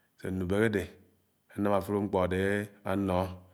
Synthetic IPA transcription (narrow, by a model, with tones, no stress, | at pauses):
sḛ˨nu˨be˨ke˦de˨ | a˨˦na˦ma˨fu˦ɾo˦ŋ͡m̩˦k͡pɔ˨de˨a˦nɔ˨˦